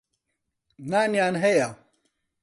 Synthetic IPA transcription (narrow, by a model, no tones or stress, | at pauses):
naːnjaːnɦeja